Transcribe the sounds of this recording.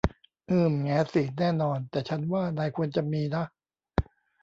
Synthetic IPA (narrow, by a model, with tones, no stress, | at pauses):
ʔɯː˧˩mŋɛː˦˥si˨˩˦nɛː˥˩nɔː˧nt̪ɛː˨˩t͡ɕʰa˦˥nwaː˥˩naː˧jkʰu˧ənt͡ɕa˨miː˧na˦˥